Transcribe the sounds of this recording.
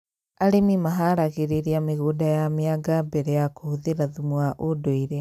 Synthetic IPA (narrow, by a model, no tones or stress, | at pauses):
aɾemimaɦaɾaɣeɾeɾiameɣodajameaɡabɛɾɛjakohuðeɾaðumwaʔodoiɾɛ